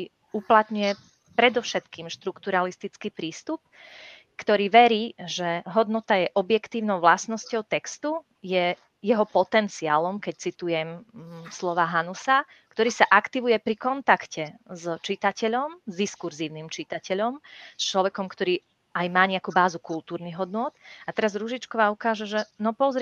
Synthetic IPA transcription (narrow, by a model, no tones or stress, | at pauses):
uplat̪ɲujɛ | pɾɛd̪ɔfʊʃɛt̪kiːmʃt̪ɾukt̪uɾalist̪it͡skiːpɾiːst̪up̚ | kt̪ɔɾiːʋɛɾiːʒɛɦɔd̪nɔt̪ajɛʔɔbjɛkt̪iːʊnɔʊʋlasnɔscɔʊt̪ɛkst̪u | jɛ | jɛɦɔpɔt̪ɛnt͡siaːlɔmkɛc̚t͡sit̪ujɛmslɔʋaːɦanusa | kt̪ɔɾiːsaʔakt̪iʋujɛpɾikɔnt̪akcɛzt͡ʃit̪acɛʎɔmzd̪iskuɾziːʊnimt͡ʃit̪acɛʎɔmst͡ʃlɔʋɛkɔmkt̪ɔɾiː | ajmaːɲɛakuːbaːzukulˠt̪uːɾniɣɦɔd̪nʊɔt̪at̪ɛɾazɾuʒit͡ʃkɔʋaːukaːʒɛʒɛnɔpɔzɾ